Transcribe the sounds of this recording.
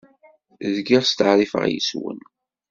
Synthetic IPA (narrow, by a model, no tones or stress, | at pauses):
ðɡiʁst̪əʕɾˤifə̰ʁjə̰swə̰n